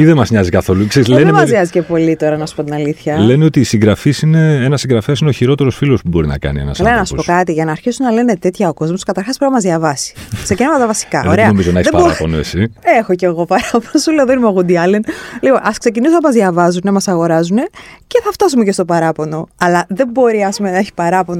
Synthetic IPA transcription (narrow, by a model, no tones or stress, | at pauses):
iðemɐzɲɐzikɐθo̞lukseɾizlenemɐzɲɐzicepo̞lit̪o̞ɾɐnɐsu̥po̞t̪inɐliθçɐle̞nio̞t̪iːsiŋɡɾɐfisine̞enɐsːiŋɡɾɐfesineoçiɾo̞t̪e̞ɾo̞sfilo̞spubo̞ɾinɐ̰kɐ̰niḛnɐ̰sɐlenɐsupokɐt̪iʝɐnɐːɾçisunɐle̞ne̞t̪e̞t̪çɐoko̞zmo̞skɐt̪ɐɾxɐspɾinɐmɐzðʝɐvɐsi̥ksecinɐmɐt̪ɐvɐsi̥kɐoe̞ɐomizonɐeçiðepɐboɾɐponoḛsiexo̞ce̞ɣo̞pɐɾɐponosuleðoinimoɣund̪iɐlenlipo̞nʔɐskse̞c̬inisonɐmɐzðʝɐvɐzune̞mɐsɐɣo̞ɾɐzune̞ce̞θɐft̪ɐsumece̞st̪o̞pɐɾɐpo̞no̞ɐlɐðe̞mbo̞ɾiɐspume̞nɐeçi̥pɐɾɐpo̞no